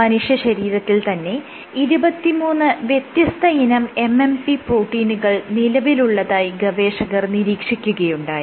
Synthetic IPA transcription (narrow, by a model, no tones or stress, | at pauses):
ɐnuʂjɐɕɐɾiːɾɐt̪ːilt̪ɐnːe̞ | iɾubɐt̪ːimuːnːɨʋjet̪jɐst̪ʰɐinɐme̞mːempiproːʈːiːnuɣɐɭnilɐʋiluɭːɐðaːjiɡɐʋe̞ːʂɐɣɐrniɾiːkʂikʲːuɣɐjuɳɖaːji